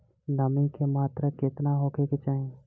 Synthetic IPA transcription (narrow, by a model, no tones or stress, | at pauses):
nəmĩkemaːt̪ɾəkɪt̪naɦokeket͡ʃaːɦẽ